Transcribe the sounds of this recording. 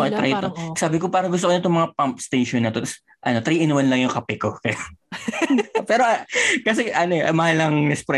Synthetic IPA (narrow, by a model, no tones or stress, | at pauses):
ket̪ɾɐjt̪osaːbɪkopaːɾɐŋɡʊst̪okonɐt̪omɐŋapɐmpst̪ejʃonːɐt̪o̞t̪ɐs | ʔɐnot̪ɾiːʔɪnwɐnlɐŋjʊŋkɐpɛkokɐj | pɛːɾokɐsɛʔɐnoʔɐ̰mɐhalːɐŋnɛspɾɛ